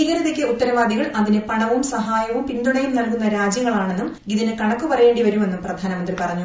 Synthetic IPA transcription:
iɣɐɾɐðekʲːeuʈ̪ːɐɾɐʋaːd̪iɣɐɭʔɐðinɨpɐɳɐʋumsɐɦaːjɐʋumpind̪uɳɐjumnɐlkunːɐɾaːd͡ʑjɐŋːɐɭaːɳe̞nːumɡiðinekɐɳɐkːupɐrɐje̞ːɳɖiʋɐɾume̞nːumprɐd̪ʱaːnɐmɐnd̪ripɐrɐɲːu

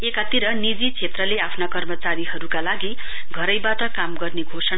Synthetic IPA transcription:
ekat̪iɾʌnid͡zit͡sʰet̪rʌleapʰnakʌrmʌt͡saɾiɦʌɾukalaɡi | ɡʱʌɾʌjbaʈʌkamɡʌrneɡʱosʌna

